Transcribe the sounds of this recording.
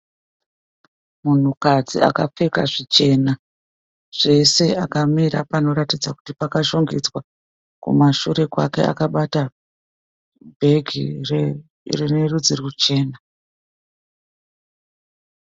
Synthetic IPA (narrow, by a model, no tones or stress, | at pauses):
mun̤ukad͡zḭa̰kap͡feka̰ʐit͡ʃe̞ːna | ʐ̥e̞se̞akamiɾa̰pano̞ɾatid͡zaku̥tipakaʃo̞ŋɡed͡zwa | kṵmaʃuɾe̞kwa̰ke̞̰a̰kaɓata | bʱe̞ɡʱir | renerud͡zirikut͡ʃe̞ːna